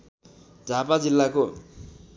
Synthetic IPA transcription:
d͡zʱapad͡zilːako

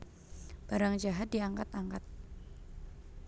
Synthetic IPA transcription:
b̥aɾaŋd͡ʒaɦat̪̚diaŋkat̪aŋkat̪̚

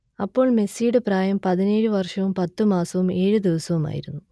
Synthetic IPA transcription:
ɐpːo̞ːɭme̞siːɽɨpraːjɐmpɐðineːɻuʋɐrʂɐʋumpɐt̪ːumaːsɐʋume̞ːɻud̪iʋɐsɐʋuma̰ːjḭɾunːu

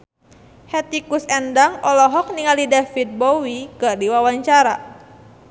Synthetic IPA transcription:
hɛt̪ikusɛndaŋɔlɔɦɔk̚niŋalidafit̪̚bowikardiwawaɲt͡ʃaɾa

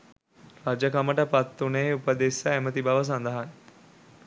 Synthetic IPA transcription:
ɾad͡ʒəkaməʈəpat̪ːunəeupəd̪esəæmət̪ibaʋəs̬and̪əɦan

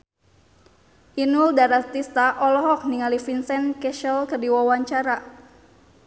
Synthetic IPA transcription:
ʔinuldaɾart̪ist̪aʔɔlɔɦɔk̚niŋalifinsɛnkɛʃəlkərdiwawaɲt͡ʃaɾa

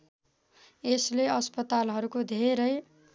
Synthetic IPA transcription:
esleʌspʌt̪alɦʌɾukod̪ʱeɾʌj

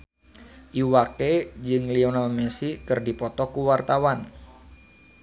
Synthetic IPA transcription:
ʔiwaked͡ʒɨŋlionalmesikɨrdipɔt̪ɔkuwart̪awan

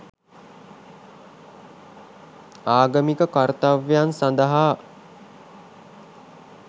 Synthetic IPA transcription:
aːɡəmikəkart̪aʋjansand̪əɦaː

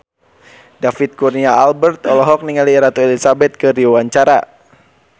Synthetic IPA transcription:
dafit̪̚kurniaːlbɛrt̪ɔlɔɦɔk̚niŋaliɛɾat̪uɛlisabɛt̪̚kədiawaɲt͡ʃaɾa̰

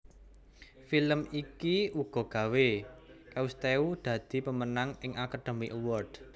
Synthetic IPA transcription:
filəmikiuɡ̥ɔ̤ɡ̥ä̤wekaust̪eud̪̥ä̤d̪̥i̤pəmənaŋɪŋʔakaɖ̥e̤miʔəwɔrd̥

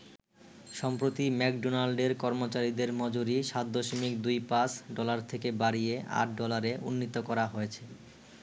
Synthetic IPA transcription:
ʃɔmpɾot̪imɛkɖonalɖeɾkɔɾmot͡ɕaɾid̪eɾmɔd͡ʑoɾiʃat̪̚d̪oʃomikd̪ujpasɖɔlaɾt̪ʰekebaɾieʔa̰ʈ̚ʰɖɔlaɾeʔunːit̪okɔɾaɦojet͡ɕʰe

